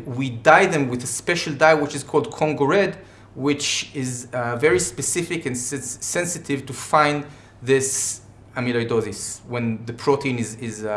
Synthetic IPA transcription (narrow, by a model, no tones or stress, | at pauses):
widajðɛ̃mwɪðəspɛʃəldajwɪt͡ʃɨz̥kʰɔlˠd̚kʰɔ̃ŋɡɔɹɛd | wɪt͡ʃɪzvɛɹispɛsɪfɪkɛ̃nsːɛ̃nsɨtʰɪvtufãɪ̃nd̪ | ðɪs | ãmĩlojdoðɪswɛ̃nðəpʰɹotʰeĩnɪzɪz